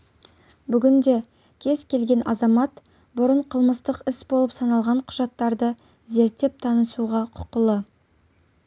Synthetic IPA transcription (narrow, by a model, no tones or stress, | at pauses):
bʏɡʲɪnd̪e̞ | kʲʰe̞zkʲʰe̞lɡʲe̞nʔɑzɑmɑt̪ | bʊɾəɴqʰəlˠməst̪əqɪsbo̞lˠəpsɑnɑlˠʁɑɴqʰʊ̥ʒɑt̪ːɑɾd̪ə | ze̞ɾt̪ːe̞p̚t̪ʰɑnəsuʁɑqʰʊ̥qəlˠə